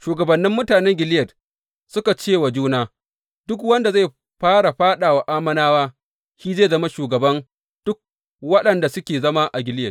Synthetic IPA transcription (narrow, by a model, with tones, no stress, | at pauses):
ʃuː˨ɡɐ˨bɐ˨nːɪ˦mːʊ˦taː˨nɛ˦ŋɡʲɪ˨ljɐ˨t | sʊ˦ka˨t͡ʃeː˦˨wa˨d͡ʒuː˦naː˦ | d̥ʊ˦k̬wɐ˦nda˨za˦˨ | ɸaː˦ɽa˨ɸaː˦ɗaː˨wa˨ʔaː˦mɐ˦naː˦waː˦ | ʃiː˦zeː˦˨zɐ˦ma˦ʃuː˨ɡɐ˨bɐ˦n | d̥ʊ˦k̚ | wɐ˦ɗɐ˨nda˨sʊ˦kʲeː˨zɐ˦ma˦ʔa˨ɡʲɪ˨lɪ˦jɐ˨